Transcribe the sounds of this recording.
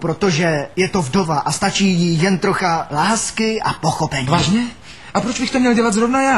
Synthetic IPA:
pɾot̪oʒɛjɛt̪o̞vdovaʔast̪at͡ʃiːjɪjɛnt̪ɾo̞xalaːskɪʔapoxopɛɲvaːʒɲɛ | ʔapɾod͡ʒbɪxt̪omɲɛlɟɛlat̪zɾovnajaː

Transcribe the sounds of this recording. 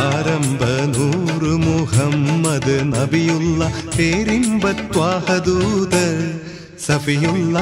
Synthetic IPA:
aːɾɐmbʱɐnuːɾɯmʊɦɐmːɐd̪ɯnɐbɪjulːɐt̪eːɾimbɐt̪ːʋaːhɐd̪uːd̪ɐ | sɐfijulːɐ

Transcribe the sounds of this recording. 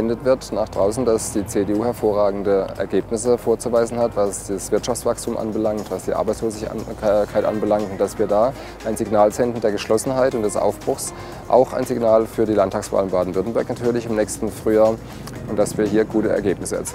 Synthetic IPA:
ɛndətv̥ɪɐtnaːχd̥ʁaʊsn̩d̥asd̥iːt͡seːdeːʔuːhɛɐfoːɐʁaːɡŋ̩dəʔɛ̰ɐɡeːpnɪsəfoːɐt͡suvaɪzn̩hatv̥asd̥asv̥ɪɐtʃaft͡sv̥akstuːmʔa̰nbəlaŋktv̥asd̥iːʔa̰ɐbaɪt͡sloːzɪçkʰaɪtʔa̰nbəlaŋtʊntd̥asv̥iːɐdaː | ʔaɪnzɪɡnaːlt͡sɛntn̩deːɐɡəʃlɔsn̩ɦaɪtʊntd̥ɛsʔa̰ʊfb̥ʁ̥ʊxs | ʔa̰ʊxa̰ɪnziɡnaːlfyːɐdiːlantʰaːksv̥a̰ːlɪmbaːdn̩vɪɐtn̩bɛɐknatʰyːɐlɪçɪmnɛːçstn̩fʁ̥yːaːɐ | ʊnt̚d̥asv̥iːɐhiːɐɡuːtəɛ̰ɐɡeːpnɪsəɛɐt͡siː

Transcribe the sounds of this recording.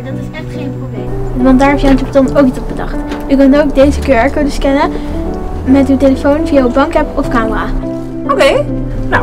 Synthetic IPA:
ɛ | e | ʋɑndaːɹɦɛpjaəntɔptɔnowkitsɔt̚bədɑ̰χtykøntowk̚dejzəkøːɹɛɹkodəskɛnə | mɛtywtejləfownvijaybɑŋkɛpɔfkaːməraː | okej | na

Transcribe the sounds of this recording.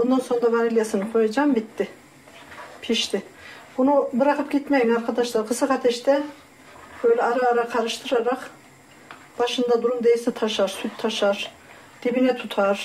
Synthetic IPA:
bond̪anso̞nɾavaɾilʲjasɯnɯkʰo̞jad͡ʒambit̪ʰːɪ | pʰiʃt̪ʰɪbunubɯɾakɯpɟit̪mejinaɾkʰad̪aʃlˠaɾkʰɯsɯkat̪ʰɛʃt̪ʰɛ | bø̞jlʲɛaɾaːɾakʰaɾɯʃt̪ʰɯɾaɾak | b̥aʃɯnd̪ad̪uɾumd̪ejiʃɛt̪ʰaʃaɾsyt̪ʰːaʃaɾ̥ | d̪̥ibinɛt̪ʰut̪ʰaɾ̥

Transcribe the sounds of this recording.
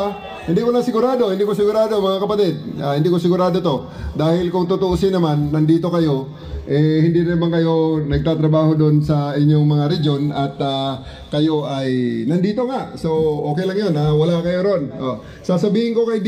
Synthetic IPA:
hɪnd̪ikonɐsɪɡʊɾaːd̪o̞hɪnd̪iːkosɪɡʊɾaːd̪o̞ɐŋmɐŋakɐpɐt̪ɛd̪̚ʔaːhɪnd̪iːkosɪɡʊɾaːd̪ot̪o̞ | d̪aːhɪlkʊŋt̪ʊt̪oʔosɪnːɐmanːɐnd̪iːt̪o̞kɐjo̞ | ʔɛhɪnd̪inɪnɐmaŋkɐjo̞nɐɡ̚t̪aːt̪ɾɐbaːho̞d̪onsɐʔɪɲːo̞ŋmɐŋaɾɛd͡ʒo̞nɐt̪a | kɐjo̞ʔɐjnɐnd̪iːt̪o̞ŋaʔso̞ʔo̞ːkɛjlɐŋjo̞nawɐlakɐjoɾonʔo | sasɐbiːhɪŋko̞kɐjd̪

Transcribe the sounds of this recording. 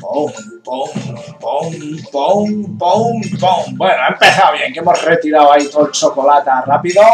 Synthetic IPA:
poŋ | poŋ | poŋpoŋpoŋpoŋbwe̞noaempe̞θawβjeŋkemosret̪iɾawait̪olt͡ʃo̞ko̞lat̪arapiðo

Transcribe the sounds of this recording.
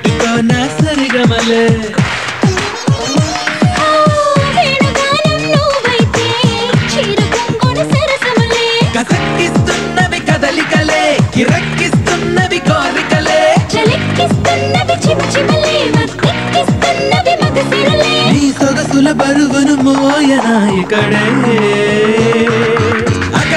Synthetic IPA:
ikɐːnaːsɐɾiɡɐmɐleː | beːɳɐɡaːnɐnːuʋɐjt̪eːt͡ʃiːɾɐkɐŋɡɔnɐsɐɾɐkɐmɐleːkɐsɐkːist̪unːɐʋikɐd̪ɐlikɐleːkiɾɐkːist̪unːɐʋikoːbikɐleːt͡ʃɐlɐkːist̪unːɐʋit͡ʃimt͡ʃimɐleːɐikːist̪unːɐʋimɐɡ̪ɐsinɐleːniːsɔɡɐsulɐbɐɾuʋɐnumoːjɐnaːjɐkɐɽeː | ɐk

